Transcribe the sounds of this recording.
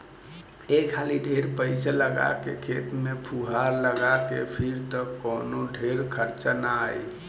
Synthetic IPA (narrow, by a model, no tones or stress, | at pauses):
ekʰaliɖʱeɾpəɪsaləɡa̰kekʰet̪mepʰuɦaɾləɡakḛpʰiɾt̪ɔkɔnoɖʱeɾkʰəɾt͡ʃənaj